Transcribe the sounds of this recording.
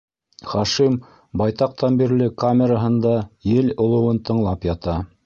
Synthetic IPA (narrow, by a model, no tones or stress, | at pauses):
χɑʃim | bɑjt̪ɑq̚t̪ɑnbiɾlɘkamʲeɾaɦɤ̆nd̪ɑjɘlŏlˠɤ̆wɤnt̪ɤ̆ɴlˠɑpjɑt̪ɑ